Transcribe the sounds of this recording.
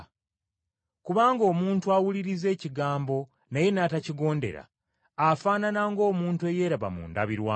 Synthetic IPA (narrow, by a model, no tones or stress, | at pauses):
kuβaːŋɡo̞ːmuːntuawuliɾize̞ːciɡaːmbo̞ | naje̞naːtaciɡo̞ːnde̞̰ɾa̰ | afaːnanaŋɡo̞ːmuːntue̞je̞ːɾaβa̰mṵːnda̰βiɾwaː